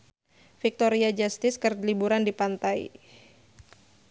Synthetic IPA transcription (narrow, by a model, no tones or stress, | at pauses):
fik̚t̪oɾiad͡ʒast̪ɪskərlibuɾandipant̪aḭ